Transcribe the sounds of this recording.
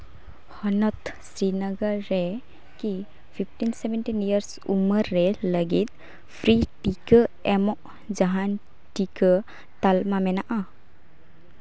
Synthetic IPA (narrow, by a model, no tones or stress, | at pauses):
hɔnɔt̪sɾinəɡəɾːɛ | ki | pʰipʰʈinsɛbɛnʈinijəɾs | ṵməɾːɛləɡit̪̚ | pʰɾiʈikəɛmɔʔ | d͡ʒaɦan | ʈikə | t̪almamɛnaʔa